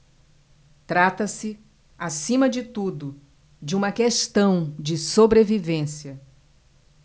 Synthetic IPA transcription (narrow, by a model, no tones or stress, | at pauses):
t̪ɾat̪ɐsɪ | asĩmɐd͡ʒɪt̪ud̪ʊ | d͡ʒɪũmɐkest̪ɐ̃w̃d͡ʒɪsobɾevivẽsiɐ